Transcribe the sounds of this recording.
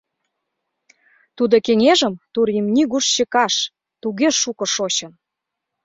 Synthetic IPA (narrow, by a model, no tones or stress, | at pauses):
t̪ud̪okeŋeʒə̆mt̪uɾimnʲiɣuʃɕĕkɑʃ | t̪uɣeʃukɤ̆ʃoɕɤ̆n